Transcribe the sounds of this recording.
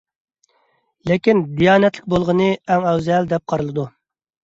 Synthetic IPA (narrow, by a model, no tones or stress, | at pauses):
lekʲind̪ijɑːnɛt̪lʲɪkʲbolˠʁənɨɛŋɛwzɛld̪ɛp̚qʰɑɾɨlˠɨd̪u